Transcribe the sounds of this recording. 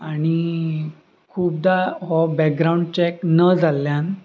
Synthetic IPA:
aɽ̃i | kʰuːp̚d̪aɦɔbɛk̚ɡɾaũɳɖt͡ɕɛknəd͡zalːjan

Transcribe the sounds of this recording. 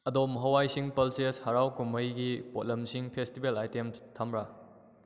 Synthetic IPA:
ɐdomɦɐwajsiŋpɐlseshɐɾawkuməjɡipot̚lɐmsiŋpʰestibelajtemstʰamɾa

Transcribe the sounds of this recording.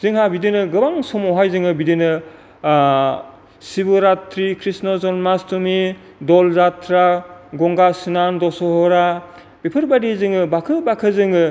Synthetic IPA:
z̥ɯŋɦabidinɯɡɯbaŋsɔmɔɦajzɯŋɯbidinɯ | sibɯɾatɾikʰɾisnɔzɔnmastumi | dɔlzatɾaɡɔŋɡasɯnandɔsɔɦɔɾa | b̥ipʰɯɾbadizɯŋɯbakʰɯbakʰɯzɯŋɯ

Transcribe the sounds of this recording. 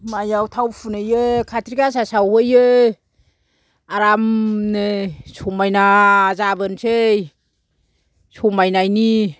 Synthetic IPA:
majawtʰawfʰunɯjɯkʰatʰɾikas̬asawhɯjɯ | aɾamnɯsumajnazabɯnsʰej | sɔmajnajni

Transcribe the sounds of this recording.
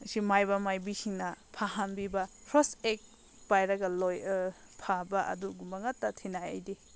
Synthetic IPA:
simajbɐmajbihiŋnɐpʰaɦanbibɐpʰɾɔsek̚ | b̥ajɾɐɡɐlojɯ | pʰabaʔɐ̰duɡumɐŋɐtːɐtʰinajɐ̰jdi

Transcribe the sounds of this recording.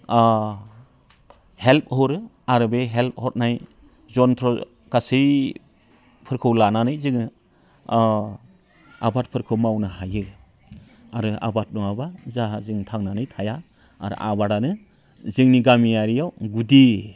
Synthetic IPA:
help̚hɔɾɯ | aɾɯbeɦelp̚hɔt̚naj | zɔntʰɾɔ | ɡ̥asij | pʰɯɾkʰɯwlananɯjzɯŋɯ | a̰bat̚pʰɯɾkʰɯwmawnahajɯ | aɾɯa̰bat̚nɔabazazɯŋtʰaŋnanɯjtʰaja | a̰ɾɯ̰ʔa̰baɾanɯ | zɯŋniɡamijaɾijawɡudi

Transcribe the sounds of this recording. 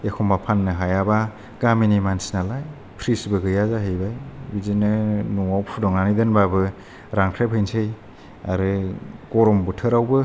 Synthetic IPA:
ekʰɔmbapʰanːɯɦajaba | ɡaminimansinalaj | pʰɾisbɯɡɯjazaɦɯjbajbizinɯnuŋawpʰudɔŋanidɯnbabɯ | ɾaŋkʰɾep̚ʰhɯjnsʰɯj | a̰ɾɯɡɔɾɔmbɯtʰɯɾawbɯ

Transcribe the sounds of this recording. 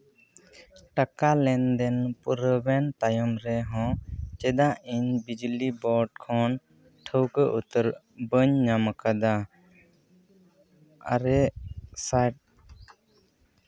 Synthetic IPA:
ʈakalɛnd̪ɛnpuɾəbɛnt̪ajɔmɾɛɦɔ̃t͡ʃɛd̪aʔiɲbid͡ʒlibɔɖ̚kʰɔn | ʈʰəwkəʔut̪əɾ | bəɲːamakad̪a | a̰ɾɛsajʈ̚

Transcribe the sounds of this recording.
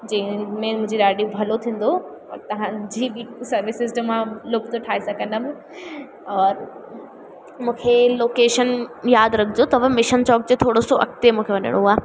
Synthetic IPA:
d͡ʑɐ̃ɪ̃mẽmʊ̃ɦɪ̃d͡ʑiɗaːɖibʱɐlot̪ʰĩːn̆d̪oɔ̰ːɾt̪ɐʋ̤ãd͡ʑiːbisɐɾʋɪsɪzʈmãlʊkt̪oʈʰaːɪsakɐ̃nd̪əm | ɔːɾ | mũːkʰeloːkeːʃənjaːd̪ɾɐkʰɪd͡ʑot̪ɐʋɐmɪʃənt͡ɕɔːk̚d͡ʑet̪ʰoːɽosoʔɐ̰kt̪emũːkʰeʋɐnə̰ɽ̃oɦuaː

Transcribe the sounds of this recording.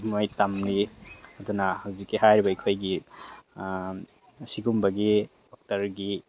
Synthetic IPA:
mojtamniɐdunahawzikːiɦajɾibɐikʰojɡi | siɡumbɐɡi | dɔk̚tɐɾɡi

